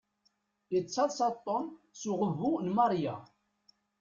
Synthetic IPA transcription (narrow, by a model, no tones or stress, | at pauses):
ət͡sːɑðˤsɑt̪ˤːɔm | suʁəvːunmɑɾˤja̰